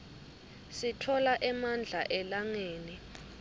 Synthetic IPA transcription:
sitʰɔlaʔɛmand͡ɮʱaʔɛlaŋeːni

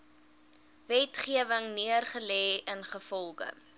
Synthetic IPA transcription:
vɛtχiəvəŋniərχəlɛːənχəfɔlˠχə̰

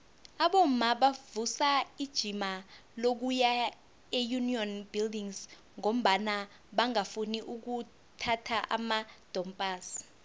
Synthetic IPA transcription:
aɓom̩maɓavusaid̥ʒ̥ʱimalok̬uja | ejuniɔnbildiŋz | ŋom̩ɓana | ɓaŋafuniʔuk̬u | tʰatʰaʔa̰mad̥ʱɔmpʼaːs

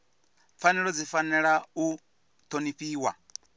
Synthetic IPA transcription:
fanɛɺɔd͡zifanɛɺau | t̪ʰoniɸiːwa̰

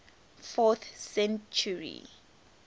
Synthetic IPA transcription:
fɔθsɛ̃nt͡ʃuɹḭ

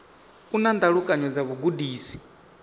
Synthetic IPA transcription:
unand̪aɺukʼaɲɔd͡zaβuɡudiːsi̥

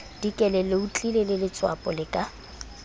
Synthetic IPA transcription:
d̥ikʼɛlɛlɪʊt͡ɬʼilelɪlɪt͡sʼwa̰pʼɔlɪkʼa

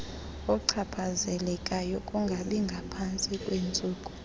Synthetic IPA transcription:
ɔǀʰapʰazɛlɛkʼajɔkʼuŋɡʱaɓiŋɡʱapʰant͡sʼikʼweːnt͡sʼuːkʼu

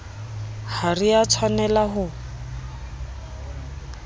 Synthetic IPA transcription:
hariat͡sʰwanɛlaɦʊ

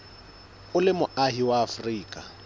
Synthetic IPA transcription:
ʊlɪmʊʔaɦiwaːfriːkʼa

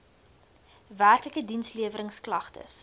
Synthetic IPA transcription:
værkləkədinsliəvəɾəŋsklɐχtə̰s

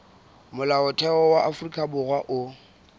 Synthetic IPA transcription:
mʊlaʊtʰɛɔwaʔafʊrikʼabʊrwaʔʊ

